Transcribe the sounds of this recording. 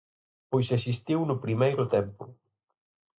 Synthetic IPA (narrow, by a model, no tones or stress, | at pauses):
pojsesist̪iwnʊpɾimejɾʊt̪ɛmpʊ̰